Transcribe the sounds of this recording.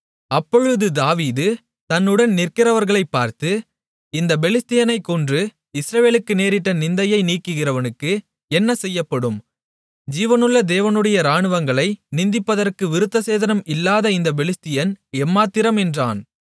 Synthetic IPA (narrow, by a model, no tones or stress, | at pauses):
ɐpːɔɻɯðɯd̪aːʋiːðɯ | t̪ɐnːɯɽɐnnɪrkɪɾɐʋɐɾɣɐɭɐɪpːaːɾt̪ɯ | ɪnd̪ɐbɛlɪst̪ɪjɐnɐɪkːɔndrɯ | ɪsɾɐʋeːlɯkːɯneːɾɪʈːɐnɪnd̪ɐjɐɪniːkːɯɣɪrɐʋɐnɯkːɯ | ɛnːɐsɛjːɐpːɐɽɯm | d͡ʒiːʋɐnɯɭːɐd̪eːʋɐnɯɽɐjɐɾaːɳɯʋɐŋɡɐɭɐɪnɪnd̪ɪpːɐðɐrkɯʋɪɾɯt̪ːɐseːðɐnɐmɪlːaːðɐɪnd̪ɐbɛlɪst̪ɪjɐnɛmːaːt̪ːɪɾɐmɛndraːn